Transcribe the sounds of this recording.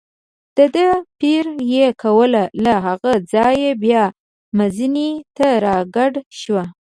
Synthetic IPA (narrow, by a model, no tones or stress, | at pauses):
d̪̥əd̪əpiɾjekʰawəlalaɦaɣad͡zɑjebjɑ | mazinit̪aɾɑɡaɖʃwa